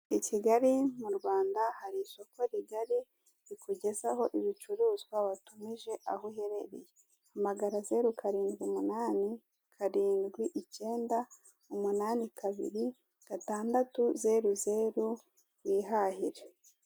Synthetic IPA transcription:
iciɡaɾimuɾɡwaːndahaɾiso̞ko̞ɾiɡaɾi | ɾikuɟe̞zaɦo̞ʔiβit͡ʃuɾuːzɡwaβatumiʒe̞ʔahuɦe̞ɾe̞ɾḛje | amaɡaɾazeɾukʰaɾiːndɡimunaːni | kʰaɾiːnɡwiʔice̞ːnda | umunaːnikaβḭɾi | ɡ̥ataːndatuze̞ɾuze̞ːɾu | wiːɦahiɾe

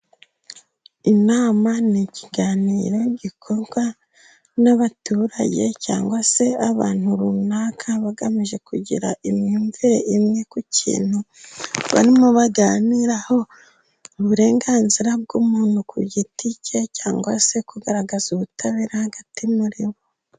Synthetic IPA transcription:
inaːmaniciɡaːniːɾo̞ɟikʰo̞ɾɡwa | naβatuːɾa̰ɟe̞ca̰ːŋɡwase̞aβaːn̥huɾunaːkʰaβaɡamiʒe̞kuɟḭɾa̰ʔimɲuːɱviɾe̞ʔimɲekucḭːn̥huβa̰ɾimuβaɡaːniɾaho̞ | uβuɾe̞ːŋɡaːnziɾab̚ɡuːmuːn̥hukuɟiticecaːŋɡwase̞kuɡaɾaɡazuβutʰaβiɾahaɡatimuɾiβo

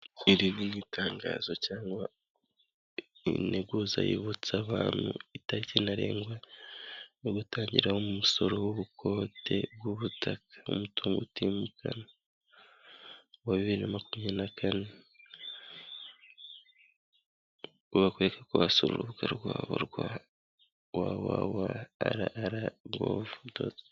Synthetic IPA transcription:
iɾininitʰaːŋɡa̰ːz̥o̞caːŋɡwa | ḭneɡuza̰jḭβut͡saβa̰ːnhṵitaɾicenaɾe̞̰ːŋɡwa | noɡutaːɲɟiɾahomumuso̞ɾo̞wuβukʰo̞ːtʰe̞̰bwuβutakʰḁṵmutuːŋɡṵtimukʰa̰na | waβiβiɾiɾamakumianakʰane | uβakweekakuβasoɾṵɾuβukaɾɡwaːβo̰ɾɡwa | wawawa̰ːɾaːɾaɡo̰vudo̰ːz

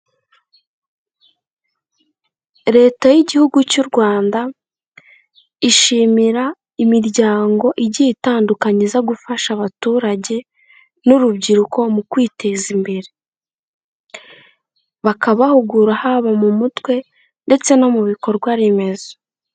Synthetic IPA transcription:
ɾe̞ːtajiɟihuɡucuɾɡwaːnda | iʃimiɾa | imiɾɟaːŋɡo̞ʔiɟitaːndukaɲizaɡufaʃaβatuːɾaɟe̞ | nuɾubɟiɾuko̞mukwiːte̞zimbe̞ɾe | βakaβahuɡuɾahaβamumutwe̞ | nde̞t͡se̞no̞muβiko̞ɾɡwaɾeme̞zo̥

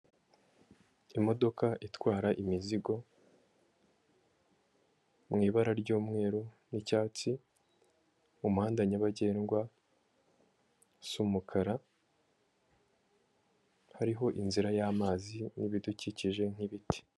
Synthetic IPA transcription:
imo̞do̞kaʔitwaːɾaʔimiziɡo̞ | mŋiːβaɾaɾɟuːmŋe̞ːɾo | nicaːt͡si | umuhaːndaɲaβaɟe̞ːnɡwa | sumukʰaɾa | haɾiɦo̞ʔinziɾajaːmaːziniβiduciciʒe̞ŋ̥iβiti̥

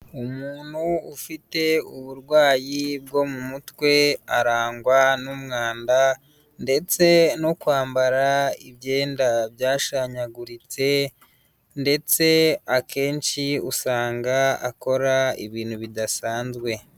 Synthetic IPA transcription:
umuːn̥huufite̞uβuɾɡwaːjibɡo̞mumutwe̞aɾaːŋɡwanumŋaːnda | nde̞t͡se̞no̞kwaːmbaɾaiβje̞ːndabjaːʃaɲaɡuɾit͡se̞ | nde̞t͡se̞ake̞ːnʃiusaːŋɡaa̰ko̞ɾaḭβiːn̥huβidasaːnzɡwe̞

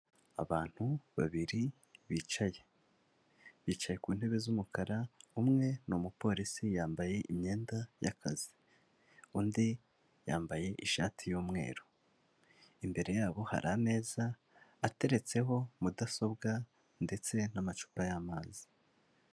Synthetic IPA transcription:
a̰βaːn̥huβa̰βiɾi | βiːt͡ʃaje̞ | βiːt͡ʃaje̞kuːn̥he̞βe̞zumukaɾaumŋe̞nomupo̞ːɾisijaːmbaje̞ʔimɲe̞ːndaja̰kʰa̰zi̥ | undi | jaːmbaje̞ʔiʃa̰ːtʰijuːmŋe̞̰ːɾo | imbe̞ɾe̞jaːβo̞ha̰ɾʔame̞ːzaː | te̞ɾe̞t͡se̞ɦo̞mudaso̞bɡa | nde̞t͡se̞namat͡ʃu̥ːpajaːmaːzi̥

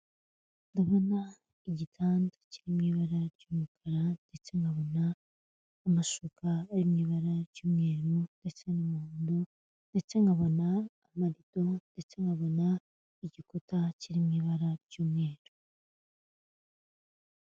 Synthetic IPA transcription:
ndaβo̞na | iɟitʰaːndo̥ciɾimɲiβaɾaɾɟuːmukʰaɾande̞t͡se̞ŋɡaβo̞naː | maʃukʰaːjimɲiːβaɾaɾɟuːmŋe̞ːɾunde̞t͡se̞numuːndo | nde̞t͡se̞ŋɡaβo̞naː | maɾito̞nde̞t͡se̞ŋɡaβo̞na | iɟikotaciɾimɲiːβaɾaɾɟ̥uːmŋe̞ːɾu̥

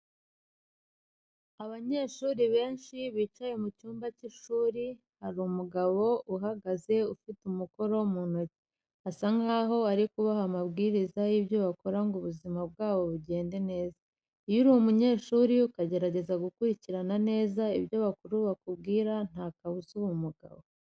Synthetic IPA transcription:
aβaɲe̞ːʃuːɾiβe̞ːnʃiβiːt͡ʃajemucuːmbaciʃuːɾi | haɾuːmuɡaβo̞ʔuɦaɡaze̞ufitumuko̞ɾo̞munoce̥ | asaŋɡaːɦo̞aɾikuβaɦamabɡiːɾizajibjoβako̞ɾaŋɡuβuzimab̚ɡaːβo̞βuɟe̞ːnde̞ne̞ːza | ijuɾuumuɲe̞ːʃuːɾiukaɟe̞ɾaɟe̞zaɡukuɾiciɾanane̞ːzaibjo̞βakuɾuβakubɡiːɾan̥akaβuzuwumuɡa̰βo̞

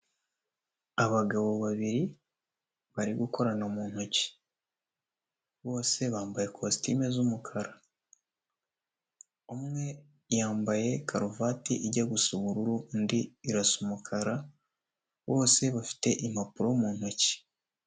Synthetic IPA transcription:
aβaɡaβoβaβiɾi | βaɾiɡuko̞ɾanomuːn̥hoci̥ | βo̞ːse̞βaːmbaje̞kʰostimezumukʰaɾa | umŋe̞ | jaːmbaje̞kʰaɾovatiʔiɟaɡusuβuɾuɾundiːɾasumukʰaɾa | βo̞ːse̞βafi̥te̞ʔim̥apuɾomuːn̥hoci̥

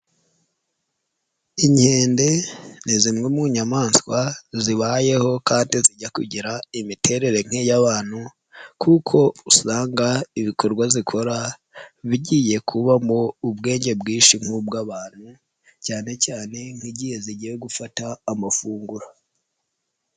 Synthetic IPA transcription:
iɲhe̞ːnde̞nizimŋemuɲamaːnskwaziβaje̞ho̞kaːndiziɟakuɟiɾaimitʰe̞ɾe̞ɾe̞ŋ̥ejaβaːn̥hu | kʰukʰo̞usaːŋɡaiβikʰo̞ɾɡwazikʰo̞ɾa | βiɟije̞kʰuβamoubɡe̞ːɲɟe̞bɡiːʃiŋ̥ub̚ɡaβaːn̥hu | caːne̞caːne̞ŋ̥hiɟiːje̞ziɟijeɡufataːmafuːŋɡuɾa

